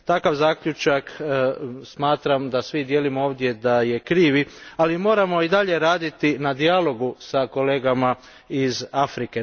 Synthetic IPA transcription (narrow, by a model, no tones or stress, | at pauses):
t̪akaʋzaːkʎut͡ʃak | smaːt̪ɾamd̪asʋid̪je̞ːlimooːʋd̪je̞d̪aje̞kɾiːʋialimo̞ːɾamo̞id̪aʎe̞ɾaːd̪it̪inad̪ialo̞ɡusako̞le̞ːɡama | izafɾike̞